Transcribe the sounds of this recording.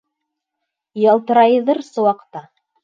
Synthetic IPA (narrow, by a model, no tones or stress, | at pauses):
jɑlˠt̪ɤ̆ɾɑjɤðɤɾsɤ̆wɑqt̪ɑ